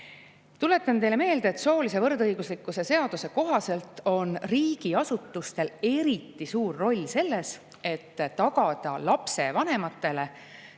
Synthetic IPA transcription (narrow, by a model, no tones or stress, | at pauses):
t̪ule̞t̪ːˑɑnt̪e̞jle̞me̞ːld̪eːt̪so̞ːlise̞vɤrd̪ɤjɡ̥uslikːuse̞se̞ɑd̪̥use̞ko̞ɦɑse̞lt̪ːo̞nriːɡ̥iɑsut̪ːˑust̪e̞le̞ɾit̪ːˑisuːrːo̞lʲːse̞lːe̞s | e̞t̪ːɑɡ̥ɑd̪̥ɑlɑpse̞vɑnemɑt̪ːˑe̞le̞